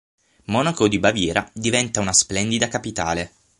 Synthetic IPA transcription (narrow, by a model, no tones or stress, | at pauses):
mɔnakod̪ibavjɛːɾʔad̪ivɛnt̪aunasplɛnd̪id̪akapit̪a̰ːle